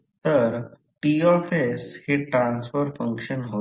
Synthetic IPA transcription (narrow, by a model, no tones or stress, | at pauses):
t̪əɾ | ʈiɔfeshiʈɾãnsfəɾfəŋkʂənɦo